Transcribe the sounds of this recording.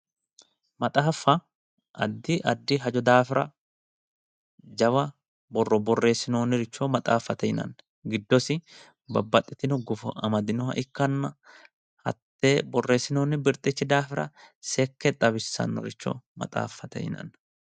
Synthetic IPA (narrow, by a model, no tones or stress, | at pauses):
mɐt̪ʼaːfːɐ | ʔɐ̰d̪ːɪʔɐd̪ːɪɦɐd͡ʒɔd̪aːfɪɾɐ | d͡ʒɐwɐ | bɔrːɔbɔrːe̞ːsːɪnoːnːɪɾɪt͡ʃːoːmɐt̪ʼaːfːɐt̪ɛhɪnɐ̰nːɐ | ɡɪd̪ːɔsɪ | bɐbːɐt̪ʼːɪt̪ɪnɔɡʊfɐɐmɐd̪ɪnɔhɐ̰ʔɪkːɐnːɐ | hɐ̰t̪ːebɔrːe̞ːsɪnoːnːɪbɪɾt̪ʼːɪt͡ʃːɪd̪aːfɪɾɐ̰sɛkːɛt̪ʼɐβɪsːɐ̰nːɔ̰ɾɪt͡ʃːo̰ːmɐ̰t̪ʼa̰ːfːɐt̪ɛ̰hɪ̰nɐ̰nːɐ